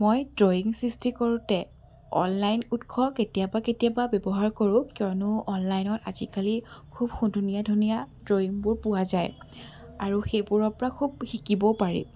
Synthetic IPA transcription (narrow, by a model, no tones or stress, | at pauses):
mojdɹoiŋsistʰikoɹʊtɛ | ɔ̰nlajnutkʰɔketijabaketijababɛbɔɦaɹkoɹʊ̃kijɔnʊɔnlajnɔtazikalikʰubxudʱunijadʱunijadɹoiŋbʊɹpʊwazaj | aɹuxejbʊɹɔɹpɔɹakʰub̚xikibɔpaɹḭ